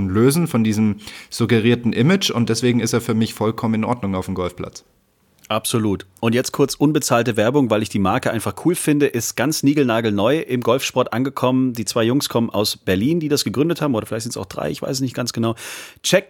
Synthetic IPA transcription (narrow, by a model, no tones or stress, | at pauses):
løːzn̩fɔndiːzəmz̥uɡəʁiːɐtn̩ʔɪmɪd͡ʒʊntd̥ɛsv̥eːɡŋ̩ɪsteːɐfyːɐmɪçfɔlkʰɔmənɪnʔɔ̰ɐdnʊŋaʊfdmɡɔlfpʰl̥a̰t͡s | ʔapz̥oluːtʔʊntjɛt͡stkʰʊɐt͡sʔʊnbət͡saːltəvɛɐbʊŋvaɪlɪçd̥iːmaɐkəʔaɪnfaχkʰuːlfɪndəʔɪstɡ̥ant͡sniːɡl̩naːɡl̩nɔʏʔɪmɡɔlfʃpɔɐtʔanɡəkʰɔməndiːt͡sv̥aɪjʊŋskʰɔmənʔa̰ʊsb̥ɛɐliːndiːdasɡ̥əɡʁʏndəthaːbm̩oːɾɐfɪlaɪçtzɛstaʊxd̥ʁa̰ɪɪçv̥a̰ɪsəsnɪçt̚ɡ̥ansɡ̥ənaʊt͡ʃɛk̚